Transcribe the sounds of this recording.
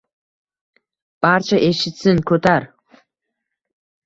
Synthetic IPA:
b̥aɾt͡ʃʰaʔeʃɪt̪sɪŋkʰɵt̪ʰaɾ

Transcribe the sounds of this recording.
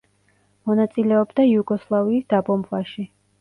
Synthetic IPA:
mɔnat̪sʼilɛɔbd̪aiuɡɔslˠaviːsd̪̥abɔmbvaʃi

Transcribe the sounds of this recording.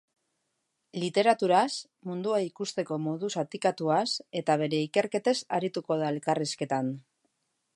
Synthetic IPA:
lit̪e̞ɾat̪uɾas | mund̪uaikust̪e̞ko̞mo̞ðusat̪ikat̪uase̞t̪aβ̞e̞ɾe̞ike̞ɾke̞t̪e̞saɾit̪uko̞ð̞aelkariske̞t̪an

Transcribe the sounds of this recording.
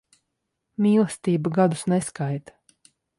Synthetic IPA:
mʲiːlˠst̪iːbaɡad̪usnɛskajt̪

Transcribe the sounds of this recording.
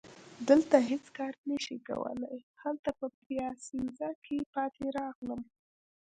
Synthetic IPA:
d̪əlt̪aɦet͡skɑɾnəʃika̰wə̰la̰jhalt̪apəpjɑsinzakʰepɑt̪ʰeɾɑɣləm

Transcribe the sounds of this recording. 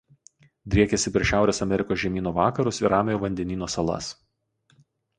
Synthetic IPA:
d̪ʲɾʲiɛkʲɛsʲɪpʲɾʲiɛʃʲæˑʊɾʲeːsɐmʲɛɾʲɪkoːsʒʲɛmʲiːnoːʋɑːkɐɾʊsɪɾɑːmʲeːjoːʋɐnʲd̪ʲɛnʲiːnoːsɐlˠɐ̰s

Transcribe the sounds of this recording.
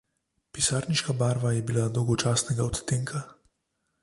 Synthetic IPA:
pisaːɾniʃkabaːɾʋajɛbilad̪ɔwɡɔt͡ʃaːsnɛɡaɔt̪t̪eːŋkʰa

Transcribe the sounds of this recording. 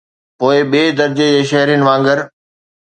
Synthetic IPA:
poːɪɓeːd̪ɐɾd͡ʑed͡ʑeːʃɐɦɾijnɪ̆ʋãːŋɡəɾ

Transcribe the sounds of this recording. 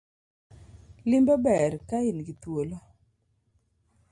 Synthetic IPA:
lɪmbɔbɛrkaɪnɡit̪wolo

